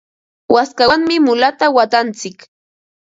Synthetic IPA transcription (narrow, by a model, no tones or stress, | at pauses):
waskaŋmɪmʊlat̪awat̪ant͡sɪk